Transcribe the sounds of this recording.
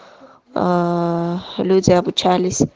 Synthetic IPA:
lud͡zabut͡ʃʰalis

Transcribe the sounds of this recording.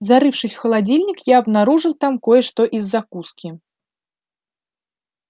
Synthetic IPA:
zaɾɨwʂɨsʲwxɐlˠad͡zʲilʲnʲikjaɐbnaɾuʐɨlˠt̪amkɔjɛʂt̪ɔʔizːakuskʲi

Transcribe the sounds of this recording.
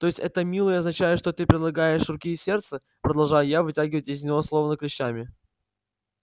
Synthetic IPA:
t̪oɪsʲtʲɛt̪əmʲilˠəjəɐznɐt͡ɕæjɪʂt̪o̞t̪ɨpɾʲɪd̪lˠɐɡajɪʂrʊkʲisʲe̞rt̪sə | pɾəd̪ɐlˠʐajʊjavɨtʲaɡʲɪvətʲɪzʲnʲɪvoslˠo̞vənəklʲɪɕːamʲɪ

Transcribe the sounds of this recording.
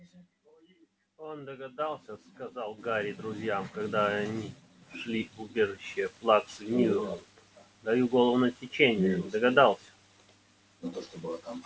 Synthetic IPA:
ond̪əɡɐd̪alˠsʲəskɐzɑlˠɡaɾʲɪd̪ɾʊzʲjamkɐɡd̪aɐnʲi | ʂlʲiʊbʲe̞ʐɨɕːɪjəflˠaksɨvʲnʲijʊ | d̪ɐjuɡolˠəvnətʲɪt͡ɕenʲɪjəd̪əɡɐd̪alˠsʲə̥

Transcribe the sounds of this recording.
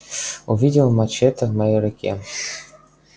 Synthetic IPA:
uvʲidʲɪlˠmat͡ɕet̪əmɑjɘɾʲɘ̆kʲʰḛ

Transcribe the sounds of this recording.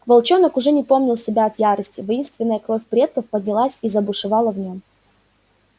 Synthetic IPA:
vɐlˠt͡ɕo̞nəkʊʐɛnʲɪpo̞mnʲɪlˠsʲɪbʲaɐt̪jaɾəsʲtʲɪvɐjinst̪vʲɪnːəjəkɾo̞fʲpɾʲe̞t̪̚kəfpəd̪̚ʲnʲɪlˠasʲizəbʊʂɨvɑlˠəvnʲo̞m

